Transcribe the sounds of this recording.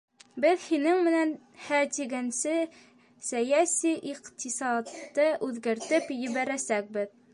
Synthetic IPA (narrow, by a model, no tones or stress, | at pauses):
bɘðhinɘŋmɘ̆næn | hæt̪iɡænsɘ | sæjæsiʔiqt̪isɑd̪ːɤʔʉðɡæɾt̪ɘpjɘ̆βæɾæsæk̚bɘð